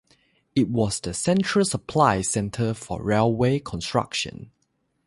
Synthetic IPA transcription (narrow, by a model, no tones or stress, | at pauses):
it̚wɔsdəsɛ̃ntɹəlsəpʰlaɪsɛ̃ntʰəfɔ̰ɹelwekʰɔ̃nstɹa̰kʃə̰̃n